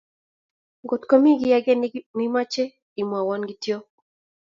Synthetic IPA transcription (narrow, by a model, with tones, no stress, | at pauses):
ɡo˨tko˦mi˦ɡi˨jaɡɛ˦ni˦ma˦t͡ʃe˦ | i˨mwa˨wɔ˦nɡi˦tjo˦